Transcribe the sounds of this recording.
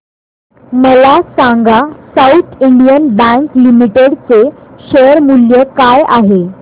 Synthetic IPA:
məlasaŋɡasaut̪ʰiɳɖijənbə̃ŋklimiʈeɽt͡seɕeəɾmuljəkajaɦe

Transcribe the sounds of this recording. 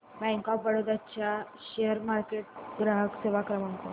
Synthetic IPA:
bɛ̃ŋkɔpʋəɽod̪at͡ɕja | ɕeəɾmaɾkeʈ̚ɡɾaɦəkseʋakɾəmaŋko̰

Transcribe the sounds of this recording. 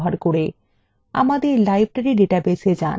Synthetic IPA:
ɦaɾkoɽe | a̰mad̪eɾlajbʱʈaɾiɖeʈabesed͡ʑa̰n

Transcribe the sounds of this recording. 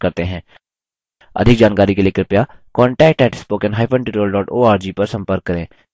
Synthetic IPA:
kɐɾt̪eɦɛ̃ː | ɐ̰d̪ʱɪk̚d͡ʒaːnkaːɾikeliekɾɪpjakɔːɳʈɛːk̚ʈɛːʈʰɪspoːkɪ̃nɦaːpʰə̃ɳʈɪʈəlɖɔːʈoːaːɾd͡ʒiːpɐɾsɐ̃mpəɾkːɐɾẽː

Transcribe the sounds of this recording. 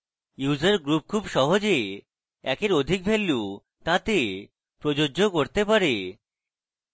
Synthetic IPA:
juzaɾɡɾup̚kʰubʃɔɦod͡ʑe | ɛkeɾod̪ʱik̚bʱelːe | t̪ãt̪e | pɾod͡ʑod͡ʑokoɾt̪epaɾe

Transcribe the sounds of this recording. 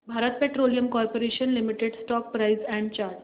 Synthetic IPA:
bʱaɾət̪̚peʈɾolijəmkɔɾpoɾeɕənlimiʈeɽsʈɔk̚pɾaizɛ̃ɳɖ̚t͡ɕaɾʈ

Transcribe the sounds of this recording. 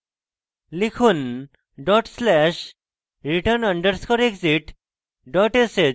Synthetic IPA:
likʰuːn | ɖɔʈslɛɕ | ɾiʈəɾnəɳɖəɾskʰɔɾekd͡ziʈ | ɖɔʈese

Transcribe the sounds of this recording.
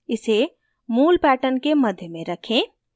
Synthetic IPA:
ɪse | muːlpæʈənkeməd̪ʱjəmẽɾəkʰẽ

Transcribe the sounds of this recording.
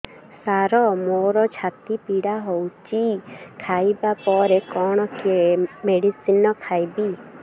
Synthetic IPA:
saɾɔmoɾɔt͡ʃʰat̪ipiɽaɦowt͡ʃʰikʰajbapɔɾekɔɽ̃ɔkiemeɽisinɔkʰajbi

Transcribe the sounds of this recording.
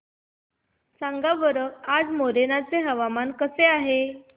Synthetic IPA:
saŋɡaʋəɾəkad͡zmoɾenat͡seɦəʋamankəseaɦe

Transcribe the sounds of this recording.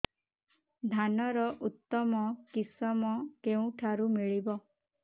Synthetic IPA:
d̪ʱanɔɾɔʔut̪ːɔmɔkisɔmɔkeũʈʰaɾumiɭibɔ

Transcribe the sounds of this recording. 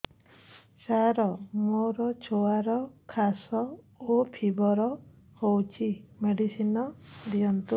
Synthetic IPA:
saɾɔmoɾɔt͡ʃʰoaɾɔkʰasɔ | opʰibɔɾɔ | howt͡ʃʰimeɖisinɔd̪iɔnt̪u

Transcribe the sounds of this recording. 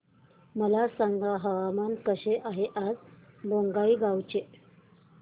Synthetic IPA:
məlasaŋɡaɦəʋamankəɕeʔaɦeʔad͡zboŋɡaiːɡawt͡ɕe

